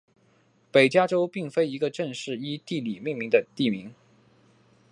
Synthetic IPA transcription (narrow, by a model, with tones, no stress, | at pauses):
pe˨˩ɪt͡ɕja˥ʈ͡ʂo˥ʊpi˥˩ŋfe˥ɪi˧˥ɡə˧ʈ͡ʂə˥˧ŋʂɻ̩˥˩i˥t̪i˥˩li˨˩mi˥˩ŋmi˧˥ŋd̪ə˧t̪i˥˩mi˧˥ŋ